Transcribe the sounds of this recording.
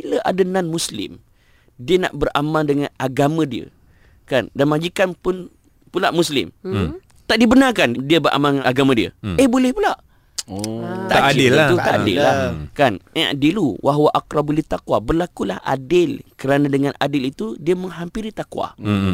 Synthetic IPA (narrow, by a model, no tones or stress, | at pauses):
biləʔa̰dənanmuslɪ̰m | diəna̰ʔbəramãndəŋanaɡamãdiə̰ | kandanmad͡ʒikanpʊn | pulaʔmuslɪ̰m | t̪aʔdibənarkandiəbəʔa̰maŋaɡamãdiə̰əhbolɛhpulaʔ | t̪aʔaadɪlt̪uaadɪ̰lakana̰diluwʔaɦwaʔakɾabuliht̪akwabərlakulahʔa̰dɪlkəɾanãdəŋanʔa̰dɪlit̪udiəməŋɦampiɾit̪akwa̰